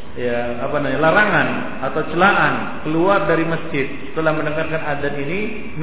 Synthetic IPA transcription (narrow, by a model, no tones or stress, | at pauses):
jaː | panaɲalaɾaŋan | at̪awt͡ʃəlaʔan | kəluardaɾiməsd͡ʒɪt̪̚t̪əlahmənəŋarkanadat̪ini | m